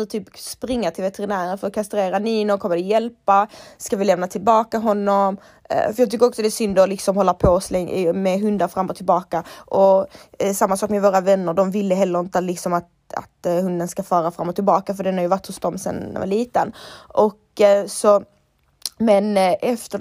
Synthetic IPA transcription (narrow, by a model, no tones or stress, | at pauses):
t̪ʰyːpspɾɪŋːat̪ʰɪlvɛt̪ɛɾɪnæːɾənfɔɾɔkʰast̪ɾeːɾaniːnʊɾkʰɔmːəɾd̪ɛjɛlpaskavɪlɛmnat̪ʰɪlbɑːkaɦɔnːɔm̰ | fœɾjɑːt̪ʏkːəɔksɔd̪ɛæsʏnd̪ɔlɪksɔmhɔlːapʰoslɛŋmɛɦɵnd̪aɾfɾamːɔt̪ʰːɪlbɑːkaʔɔsamːasɑːkmɛvoːɾavɛnːəɖɔmvɪlːəɦɛlːəɾɪnt̪əlɪksɔmat̪ | a̰t̪hɵnd̪ənskafɑːɾafɾamːɔt̪ʰːɪlbɑːkafœɖɛnhaɾjʏvaʈːhɵsd̪ɔmsɛ̰nɛ̰va̰liːt̪ənʔɔksɔ | mɛnʔɛft̪ə